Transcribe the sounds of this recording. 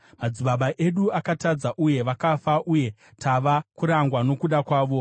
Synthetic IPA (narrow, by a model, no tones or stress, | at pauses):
mad͡ziɓaɓaʔe̞ɗuakatad͡zaʔuje̞ʋakafaʔuje̞ | tʰaʋakuɾaŋɡwano̞kuɗakwaːʋo̞